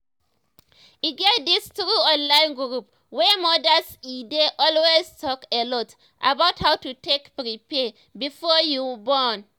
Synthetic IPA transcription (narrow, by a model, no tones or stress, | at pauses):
iɡɛtdistɹuɔ̃nlãj̃nɡɹup | wɛmɔdasideʔɔlweztʰɔkelɔt | ʔa̰baʊthawtutʰekpɹipɛ | bifɔjubɔn